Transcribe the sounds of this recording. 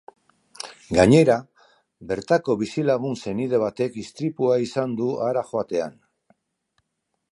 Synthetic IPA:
ɡaɲe̞ɾa | be̞ɾt̪ako̞βisilaɣ̞unse̞nið̞e̞β̞at̪e̞kist̪ɾipuaisand̪uʔaɾaxo̞at̪e̞a̰n

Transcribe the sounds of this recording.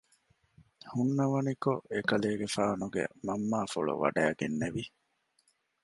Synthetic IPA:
hunːɐʋɐnikoʔekɐleːɡefaːnuɡḛmɐmːaːfoɭṵʋɐ̰ɖæːɡenːeʋi

